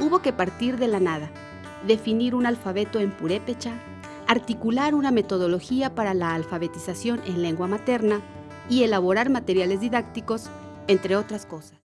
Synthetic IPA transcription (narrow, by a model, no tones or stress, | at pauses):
uβo̞ke̞paɾt̪iɾðe̞lanaða | ðe̞finiɾunalfaβe̞t̪o̞e̞mpuɾepet͡ʃaː | ɾt̪ikulaɾuname̞t̪o̞ð̞o̞lo̞xiapaɾalaːlfaβe̞t̪isasjo̞nʔenle̞ŋɡwamat̪e̞ɾna | ie̞laβ̞o̞ɾaɾmat̪e̞ɾjale̞zðiðakt̪iko̞s | ent̪ɾe̞o̞t̪ɾasko̞sḁs